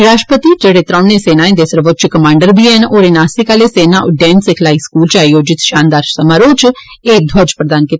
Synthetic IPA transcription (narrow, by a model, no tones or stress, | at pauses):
ɾaːʃʈpət̪iːd͡ʒeːɽeːt̪ɾãːnẽːseːnãːẽd̪eːsəɾʋot͡ʃkəmãːɳɖəɾbiːenoːɾenaːsiːkaːleːseːnãːʔʊɖɛːnsɪkʰlaːiːskuːlt͡ʃaːioːd͡ʒɪt̪ʃaːnd̪aːɾssəmaːɾoːt͡ʃ | eːd̪ʱwəd͡ʒpɾəd̪aːnkiːt̪ː